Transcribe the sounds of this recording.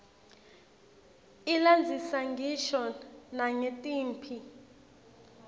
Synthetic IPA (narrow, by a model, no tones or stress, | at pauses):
iland͡zʱisaŋɡʱiʃɔnaŋetʼiːmpʰi